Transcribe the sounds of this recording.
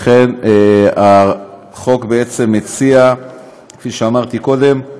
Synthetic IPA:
χenea | χo̞kbeet͡se̞mːet͡sia | kfiʃeamaʁt̪iko̞d̪e̞m

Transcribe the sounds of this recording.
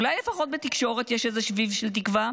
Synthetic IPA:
ulajlefaχo̞t̪̚bet̪ikʃo̞ʁet̪jeʃezeʃvivʃelt̬ikva

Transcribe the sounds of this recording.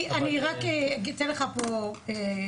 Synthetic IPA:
ʔaniʁakeɡit̪enleχapoe

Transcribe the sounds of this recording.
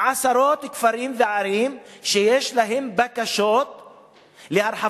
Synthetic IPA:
ʕasaɾo̞t̪kfaɾimveʕaɾimʃejeʃlaɦembakaʃot̪̚ | lehaɾħa

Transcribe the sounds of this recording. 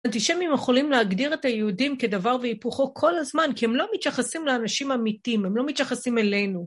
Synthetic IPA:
ant̪iʃemimjeχo̞limleaɡdiʁe̞tajeudimke̞d̪avaʁveipuχo̞kʰo̞lazmankihemlo̞mit̪jaχasimleanaʃimamitimemlo̞mit̪jaχasimelejnu

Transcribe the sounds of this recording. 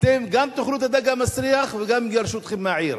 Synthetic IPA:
t̪emɡamt̪ʊxlut̪ad̪aɡamasɾijaxwɪɡamɡɑɾˤʃuːt̪χɪmːaʕiːɾ

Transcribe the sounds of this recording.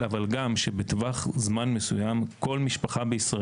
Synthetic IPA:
avalɡamʃebetvaχzmanmesujamkʰo̞lmiʃpaχabeisʁa

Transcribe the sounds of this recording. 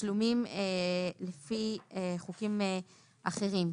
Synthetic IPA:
lumimelefieχukime | ʔaχe̞ʁim

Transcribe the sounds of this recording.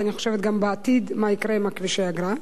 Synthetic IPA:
aniχo̞ʃevet̪̚ɡambeat̪id̪maikɾemakviʃeaɡɾa

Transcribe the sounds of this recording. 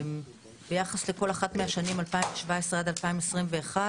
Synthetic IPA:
m | bejaχasle̞ko̞laχat̪meaʃanimalpaimveʃvaesʁead̪alpaimesʁimve̞ːχa

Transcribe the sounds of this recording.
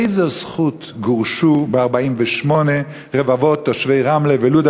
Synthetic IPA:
ɪzesχut | ɡuʁʃubeaʁbaimvɛʃmɔne | ʁevavotːoʃvejʁamleveluda

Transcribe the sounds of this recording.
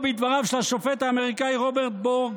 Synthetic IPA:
bid̪vaʁavʃelhaʃofet̪haːme̞ʁikajʁobeʁt̪̚boʁɡ

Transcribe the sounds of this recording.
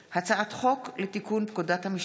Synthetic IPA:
hat͡saʔat̪χo̞klet̪ikunpkodathamiʃ

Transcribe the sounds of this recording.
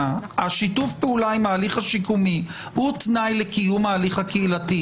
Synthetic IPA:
haʃitufpeulaimaːliχaʃikumi | hutnajlekijumaːliχhakeilati

